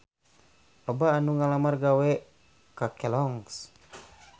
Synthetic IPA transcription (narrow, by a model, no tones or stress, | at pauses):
ɔbaːnuŋalamarɡawɛ | kakɛlɔŋs